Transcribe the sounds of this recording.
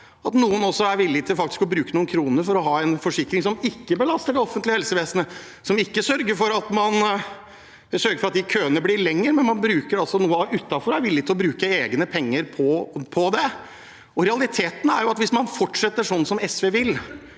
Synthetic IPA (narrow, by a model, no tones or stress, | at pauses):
ɑt̪nuːənɔsːɔæɾʋɪlːɪɡt̪ʰɪlfɑkt̪ɪ̥skɔbɾʉːkənuːnkʰɾuːnəɾfɔɾɔɦɑːɛnfɔʂɪkːɾɪŋsɔmɪkːəbəlɑst̪əɖɛɔfːənt̪lɪhɛlsəʋeːsənə | sɔmɪkːəsœɾɡəɾfɔɾɑt̪mɑn | sœɾɡəfɔɾɑt̪d̪ɪkʰøːənəblɪɭɛŋːəɾmɛnmɑnbɾʉːkəɾɑlsɔnuːəʉt̪ːɑfɔɾæɾʋɪlːɪt̪ɪlɔbɾʉːkəeːɡnəpʰɛŋːəɾpʰɔpʰɔd̪ɛ | ɔɾɛɑlɪt̪ʰeːt̪n̩æɾjʊɑt̪ʋɪsmɑnfɔʈʂɛt̪ːəʂɔnːsɔmɛsʋeːʋɪl